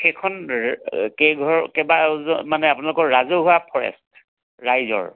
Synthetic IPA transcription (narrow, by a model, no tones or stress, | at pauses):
xekʰɔn | keɡʱɔɹkɛbamanɛapunalʊkɔɹɹazoɦʊapʰɔɹɛ̰st | ɹajzɔ̰ɹ